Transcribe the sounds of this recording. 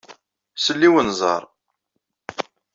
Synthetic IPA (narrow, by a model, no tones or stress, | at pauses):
səlːiwənzˤɑ̰ɾˤ